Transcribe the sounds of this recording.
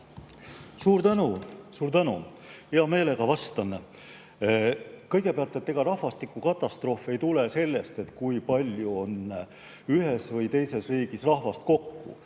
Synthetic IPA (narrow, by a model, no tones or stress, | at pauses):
suːɾt̪ænusuːɾt̪ænṵ | heɑme̞ːle̞ɡ̥ɑvɑst̪ɑn | kɤjɡ̥e̞peɑlt̪ˑet̪ːeɡ̥ɑɾɑhvɑst̪ikːˑukɑt̪ˑːɑst̪ro̞ːfˑe̞jt̪ulese̞lːe̞st̪e̞t̪ːˑkujpɑlʲjuo̞n | yɦesvɤjt̪e̞jse̞sriːɡ̥isrɑhvɑst̪̚ko̞kːṵ